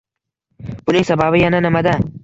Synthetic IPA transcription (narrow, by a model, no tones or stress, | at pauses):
b̥ʊnɪŋsabaβɪjananɪmad̪a